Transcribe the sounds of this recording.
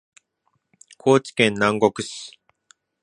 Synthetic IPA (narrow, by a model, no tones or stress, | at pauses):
kʰo̞ːt͡ɕi̥kẽ̞nːãŋɡo̞kɯ̟ɕi̥